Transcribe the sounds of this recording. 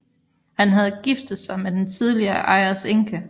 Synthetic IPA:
hænɦæð̞ˠɡ̥ifd̥ð̩ˠsɑ̈ɪmed̥ent͡sʰið̞ˠliɐːʔɑ̈ɪæse̝ŋkʰə

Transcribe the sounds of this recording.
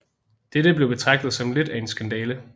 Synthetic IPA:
d̥eɾəb̥le̝ʊb̥e̝t͡sʰʁɑ̈ɡ̥̚d̥ð̩ˠsɒ̽mled̥æe̝nsɡ̥ænd̥ɛːlə

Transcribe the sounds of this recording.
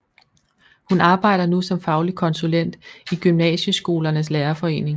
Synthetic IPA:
hunɑ̈ːb̥ɑ̈ɪ̰ɾ̥ɐnusɒ̽mfɑ̈ʊlikʰɒ̽nsulen̰d̥iɡ̥ymnɛ̰ːɕəsɡ̥o̝̰ːlɐnəs̬leːɐfɒ̽e̝̰ːne̝ŋ

